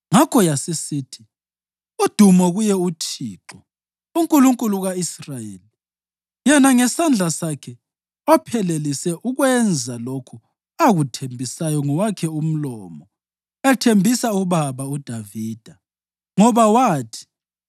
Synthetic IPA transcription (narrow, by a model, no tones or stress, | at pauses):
ŋakʰɔjasisiːtʰi̥ | ud̥ʱumɔɣujɛutʰiːǁɔ | uŋkʼuluŋkʼuluɣaisrajḛːli | jɛnaŋɛsand͡ɮʱasakʰɛ | ɔpʰɛlelisɛʔuɣwɛnd͡zʱalokʰu | aɣutʰembʱisajɔŋɔwakʰɛum̩lɔ̰mɔ | ɛtʰembʱisauβaβaud̥ʱaviːd̥ʱa | ŋɔβawaːtʰi̥